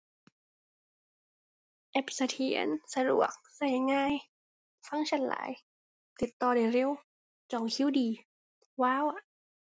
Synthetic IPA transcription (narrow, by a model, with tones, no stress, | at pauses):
ʔɛ˧˩psa˧t̪ʰi˨˩˦ə̰˦nsa˧du˨˩ək̚sa˧˩jŋaː˧˩˨j | fa˧˥˨ŋt͡ɕʰa˧˥˩nla̰ː˨˦j | t̪i˨˩t̪ːɔː˧˩da˨˩jɾe˧˥˨w | t͡ɕɔ˨˩ŋkʰi˧˥˨wdiː˨ | waː˧˥˨wa˧˩ʔ